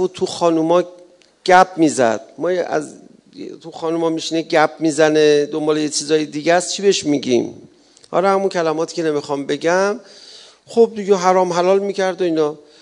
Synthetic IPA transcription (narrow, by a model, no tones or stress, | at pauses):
buːd̪̚t̪ʰuxɒːnumɒː | ɟ̥æp̚ʰmiːzæ̰d̪̥̚mɒːjæ̰z | t̪ʰuxɒːnumɒmiʃineɟæp̚ʰmiːzæned̪o̞mbɒːle̞jet͡ʃʰiːzɒːjed̪iːɟæst͡ʃʰibe̞ʃmiɟḭm | hɒ̰lɒhæmuncʰælæmɒːt̪ʰiːcʰe̞ne̞mixɒmbe̞ɟæm | χob̚d̪iɡeɦæɾɒːmɦælɒːlmiːcʰæɾd̪oiːnɒː